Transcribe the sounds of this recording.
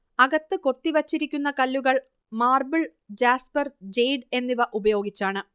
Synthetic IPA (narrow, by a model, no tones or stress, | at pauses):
ɐɣɐt̪ːɨko̞t̪ːiʋɐt͡ɕːiɾikʲːunːɐkɐlːuɣɐɭ | maːrbɐɭ | d͡ʑaːspɐrd͡ʑejɖe̞nːiʋɐʔubɐjo̞ːɡit͡ɕːaːɳɨ